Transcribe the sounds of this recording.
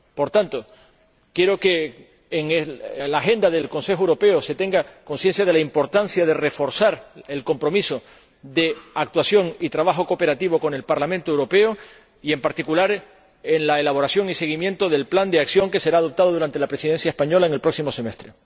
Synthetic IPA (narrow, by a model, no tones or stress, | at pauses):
po̞ɾt̪ant̪o̞ | kje̞ɾo̞ke̞ː | ŋelaːxe̞nd̪aðe̞lko̞nse̞xowɾo̞pe̞ose̞t̪e̞ŋɡako̞nsje̞nsjaðe̞laimpo̞ɾt̪ansjaðe̞re̞fo̞ɾsaɾe̞lko̞mpɾo̞miso̞ | ðe̞ak̚t̪wasjo̞ŋit̪ɾaβaxo̞ko̞pe̞ɾat̪iβo̞ko̞ne̞lpaɾlamẽnt̪oewɾo̞pe̞o | ie̞mpaɾt̪ikulaɾ | eŋlaelaβ̞o̞ɾasjo̞ŋise̞ɣimjẽ̞nt̪o̞ðe̞lpland̪eaksjo̞ŋke̞se̞ɾaːðo̞p̚t̪aðoðuɾant̪e̞lapɾe̞siðe̞nsjaespaɲo̞laeŋelpɾo̞ksimo̞se̞me̞st̪ɾe